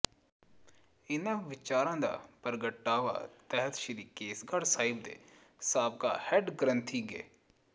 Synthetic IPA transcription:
ɪnãːʋɪt͡ʃaːɾãːd̪a̰ːpəɾɡəʈːaːʋa̰ːt̪ɛɦət̪ʃid̪iːkeːsɡaɽsaːɪbd̪ḛː | saːb̚ka̰ːhɛʈɡɾənt̪ʰiːɡḛː

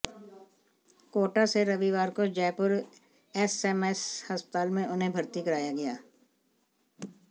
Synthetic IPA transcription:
koːʈaseɾɐʋiʋaːɾkod͡ʒɛːpʊɾ | ɛsɛmɛshəspət̪aːlmẽʔʊnɦẽbʱɐɾt̪ikɐɾaːjaɡɐjaː

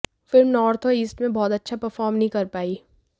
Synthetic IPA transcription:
fɪlmnɔːɾt̪ʰoiːsʈmẽbɔːt̪ɐtːʃʰapɐɾfɔːɾmnɐɦĩkɐɾpaːiː

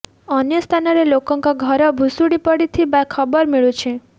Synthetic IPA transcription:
ɔnjɔst̪ʰanɔɾelokɔŋkɔɡʱɔɾɔbʱusuɽipɔɽit̪ʰibakʰɔbɔɾmiɭut͡ʃʰe

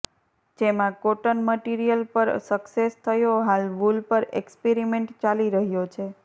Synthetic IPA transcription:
d͡ʒemãkoʈənməʈiɾijəlpəɾsəksest̪ʰəjoɦalʋulpəɾekspeɾimeɳʈt͡ʃaliɾəɦjot͡ʃʰe

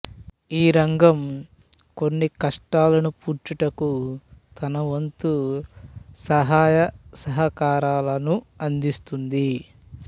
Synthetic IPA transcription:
iːɾɐŋɡɐm | ko̞nːikɐʂʈaːlɐnupuːɾt͡ʃuʈɐkut̪ɐnɐʋɐnt̪u | sɐɦaːjɐsɐɦɐkaːɾaːlɐnuɐnd̪ist̪und̪i

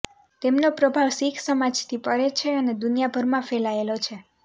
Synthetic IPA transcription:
t̪emnopɾəbʱaʋsikʰsəmad͡ʒt̪ʰipəɾet͡ʃʰeəned̪unijabʱəɾmãfelaelot͡ʃʰe

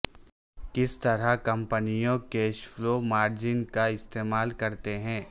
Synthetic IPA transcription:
kɪst̪ɐɾakɐ̃mpənijõkeːʃfloːmaːɾd͡ʒɪnkaɪst̪eːmaːlkɐɾt̪eɦɛ̃ː

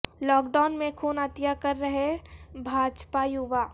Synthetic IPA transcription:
lɔːkɖaːʊnmẽkʰuːnət̪jakəɾːəɦebʱaːd͡ʒpajuʋaː

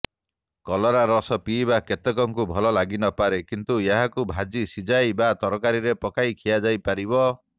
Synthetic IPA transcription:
kɔlɔɾaɾɔsɔpiːbaket̪ekɔŋkubʱɔlɔlaɡinɔpaɾekint̪ujeɦakubʱad͡ʒisid͡ʒajbat̪ɔɾɔkaɾiɾepɔkajkʰijad͡ʒajpaɾibɔ

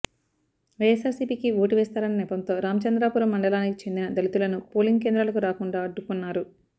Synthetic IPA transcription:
ʋɐjesaːɾsiːpiːkioːʈiʋɛːst̪aːɾɐnnɛːpɐnt̪o̞ːɾaːmɐt͡ʃɐnd̪ɾaːpuːɾɐmːɐɳɖɐlaːnikit͡ʃend̪inɐd̪ɐlit̪ulɐnupoːliŋɡ̚k̬e̞ːnd̪ɾɐlɐkuɾaːkuɳɖaːɐɖːukunːaːɾu

